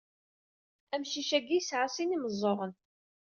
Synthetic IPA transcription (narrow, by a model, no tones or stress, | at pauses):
æmʃiʃæɡisʕasˤiniməzˤːoʁən